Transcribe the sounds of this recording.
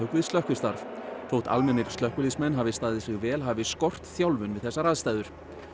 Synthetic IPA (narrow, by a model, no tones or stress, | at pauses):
ʏkvɪðst̪œhkʏ̥st̪aɾfθowht̪a̰lmɛnːɪɾ̥st̪œhkʏlismɛnːɦavɪst̪aːðɪsɪɣvɛːlɦaːvɪskɔr̥t̪θjawlvʏnvɪðθɛsːaɾaːðst̪aːjðʏɾ̥